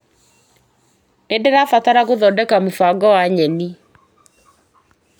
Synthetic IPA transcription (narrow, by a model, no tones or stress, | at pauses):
nendeðafataɾaɣoðɔdɛkamofaɡɔwaɲɛni